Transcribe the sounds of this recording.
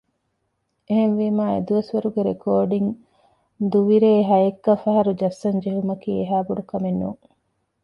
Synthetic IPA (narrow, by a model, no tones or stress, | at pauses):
eɦenʋiːmaːḛd̪uʋɐsʋɐɾuɡeɾekoːɖiŋ | d̪uʋiɾeːɦɐjekːɐfɐɦɐɾud͡ʒɐsːɐɲd͡ʒeɦumɐkiːeɦaːbuɖukɐmenːṵːŋ